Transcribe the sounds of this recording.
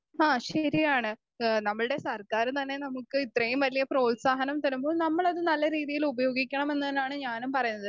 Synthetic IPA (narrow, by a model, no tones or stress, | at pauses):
aːɕɐɾijaːɳɨ | nɐmːɐɭɨɽe̞sɐrkaːɾt̪ɐnːe̞nɐmukːɨit̪rɐjumʋɐlijɐpro̞ːsaːɦɐnɐmt̪ɐɾumboːɭnɐmːɐɭɐðɨnɐlːɐɾiːðijilubɐjo̞ːɡikʲːɐɳɐme̞nːɐðinaːɳɨɲaːnumpɐrɐjunːɐðɨ